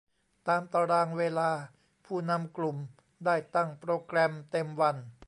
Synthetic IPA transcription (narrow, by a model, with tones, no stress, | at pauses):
t̪aː˧mt̪a˧ɾaː˧ŋweː˧laː˧ | pʰuː˥˩na˧˥mklu˨˩m | daː˥˩jt̪a˥˩ŋpɾoː˧kɾɛ˧mt̪e˧mwa˧n